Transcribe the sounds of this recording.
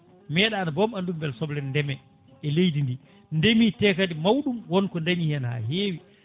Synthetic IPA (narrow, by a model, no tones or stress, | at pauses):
mɛːɗaːnabɔmandumbɛlsɔblɛndɛmɛ | ɛlejdindi | ndemiːtɛːkadimawɗumwɔnkɔndaɲihanha̰ɦeːwi